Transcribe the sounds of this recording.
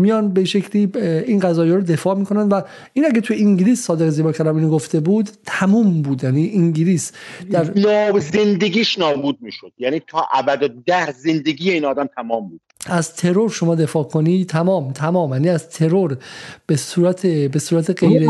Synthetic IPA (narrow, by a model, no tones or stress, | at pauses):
mijɒnbeʃecʰliːinɢæzɒːjeɾod̪e̞fɒːmiːkʰo̞nænd̪væ | iːnæɡet̪ʰujeiŋɟiliːsːɒːd̪eɣeziːbɒːɾkʰæɾd̪æmiːnoɡoft̪e̞buːd̪t̪ʰæmuːmbuːd̪jæniːʔiŋɟiliːsd̪æɾnɒːzend̪eɡiːʃnɒːbuːd̪̚miːʃod̪jæniːt̪ʰɒːʔæbæd̪od̪æhzend̪eɡiːjeiːnɒːd̪æmt̪ʰæmɒːmbuːd̪æzt̪ʰe̞ɾoɾʃomɒːd̪e̞fɒːkʰonit̪ʰæmɒːmt̪ʰæmɒːmjæːniːæzt̪ʰe̞ɾoɾb̥esuːɾæt̪ʰebe̞suːɾæt̪ʰeɢejɾe